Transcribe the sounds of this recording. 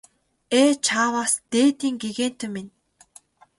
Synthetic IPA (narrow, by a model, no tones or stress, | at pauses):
eːt͡ɕʰaːwaːst̪eːt̪iːŋɡeɣeːn̥t̪ʰɵ̆mːen